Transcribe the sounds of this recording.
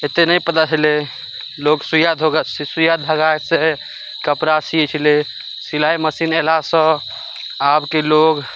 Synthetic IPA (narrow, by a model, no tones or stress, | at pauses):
et̪enəjpət̪at͡ʃʰile | loksujad̪ʱoɡassujad̪ʱəɡase | kəpɾasiet͡ʃʰile | silajməsinelasə̃ | abkelok